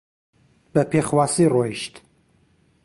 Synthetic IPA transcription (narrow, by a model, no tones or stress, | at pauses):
b̥ɐpʰexwaːsiroiʃt̪